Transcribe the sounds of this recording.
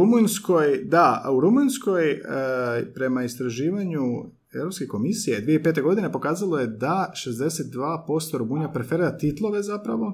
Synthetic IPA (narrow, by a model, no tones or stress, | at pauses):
umunsko̞jd̪auɾumunsko̞j | pɾe̞maist̪ɾaʒiːʋaɲu | e̞ʋɾopskeko̞misijed̪ʋijeipet̪e̞ɡo̞d̪ine̞po̞kaːzalˠo̞jed̪aʃe̞zd̪e̞set̪̚d̪ʋaːpo̞st̪oɾumuɲapɾefeɾiɾat̪it̪lˠo̞ʋe̞zapɾaʋo̞